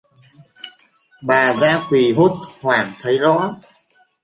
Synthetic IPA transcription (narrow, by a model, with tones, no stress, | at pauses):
ɓaː˨˩zaː˧kwi˨˩ɦo˦˥t̚hwaː˨˩ŋt̪ʰə˨˦jzɔ̰˧˥